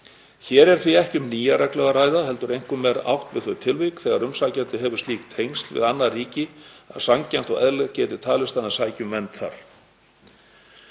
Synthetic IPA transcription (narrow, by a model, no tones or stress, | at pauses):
çɛːɾɛɾ̥θviɛhcʏmniːjaɾɛklɛɣaɾaːjðaɦɛlt̪ʏɾejŋ̥kʏmːɛɾa̰wht̪vɪðθœɥt̪ʰɪlvikθɛːɣaɾʏmsacɛnt̪ɪɦɛvʏɾ̥st̪iːk̚t̪ʰejŋst̪lvɪ̰ðanːariːcɪa̰ðsamcɛn̥t̪ɔɣɛðlɛðcɛːt̪ɪt̪ʰaːlɪst̪aðɪ̥saːjcʏmvɛnt̪θa̰ɾ̥